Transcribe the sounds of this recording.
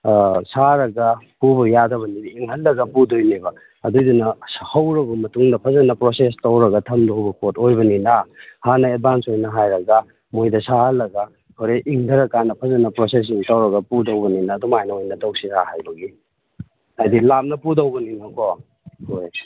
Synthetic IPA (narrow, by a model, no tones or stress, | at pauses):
saɾɐɡɐpubɐjadɐβɐnidiiŋɦɐlːɐɡɐpudojnibɐː | dudunɐhɐwɾɐbɐmɐtuŋdɐpʰɐzɐnɐpɾosestɐwɾɐɡɐtʰɐmdowbɐkotojbɐninahanɐet̚bansojnɐɦajɾɐɡɐ | mojdɐsahɐlːɐɡɐ | hoɾeʔiŋdʱɐɾɐkːanɐpʰɐzɐnɐpɾoses̬iŋtɐwɾɐɡɐpudɐwbɐninɐːdumajnɐojnɐtowsisahajbɐɡi | hajdilap̚nɐpudɐwbɐninɐko | hoj